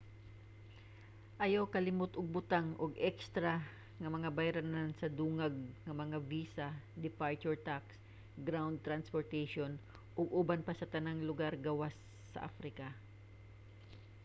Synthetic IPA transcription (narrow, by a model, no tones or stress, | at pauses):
ʔɐjawkɐlɪmʊt̪ʊɡ̚bʊt̪aŋʔʊɡɛkst̪ɾa | ŋɐmɐŋabajɾanansɐd̪uːŋaɡ̚ŋɐmɐŋaviːsad̪ɪpaɹt͡ʃʊɹt̪aks | ɡɾawnd̪̚t̪ɾanspoɹt̪ɛʃon | ʔʊɡʊbanpasɐt̪ɐnaŋlʊɡaɾɡɐwasː | ɐ̰ʔa̰fɾɪka